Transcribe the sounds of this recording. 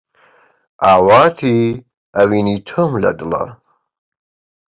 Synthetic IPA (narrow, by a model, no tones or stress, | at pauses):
ʔaːwaːt̪ʰi | ɐwinit̪ʰomlɐ̰dɨlɐ̰